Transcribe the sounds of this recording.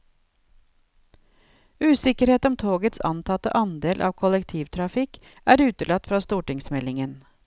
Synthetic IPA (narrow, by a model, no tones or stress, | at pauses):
ʉːsɪkəɾheːt̪ɔmt̪ʰoːɡət̪sɑ̰nt̪ʰɑt̪ə̰ʔɑnd̪eːlʔɑ̰ːʋkʰɔlɛkt̪ʰiːʋt̪ʰɾɑfɪk | ʔæːɾʉːt̪əɭɑt̪fɾɑːst̪uːʈɪŋsmɛlɪŋən